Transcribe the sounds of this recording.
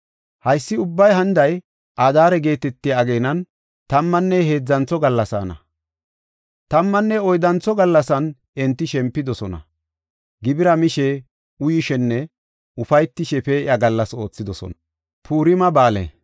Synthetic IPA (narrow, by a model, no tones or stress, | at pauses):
hɐjsːɪʊbːɐjɦɐnd̪ɐj | ʔaːd̪aːɾɛɡe̞ːt̪ɛt̪ːɪjaːɡeːnɐn | t̪ɐmːɐnːɛɦeːd͡zːɐnt͡sːɔɡɐlːɐsa̰ːnɐ̰ | t̪ɐmːɐnːɛɔjd̪ɐnt͡sːɔɡɐlːɐsɐn | ɛnt̪ːɪʃɛmpːɪd̪ɔsɔnɐ̰ | ɡɪbɪɾɐmɪʃɛ | ʊjɪʃɛnːɛ | ʊfɐjt̪ːɪʃɛfeɪɐɡɐlːɐso̞ːt͡sːɪd̪ɔsɔ̰n | pʰuːɾɪmɐbaːlḛ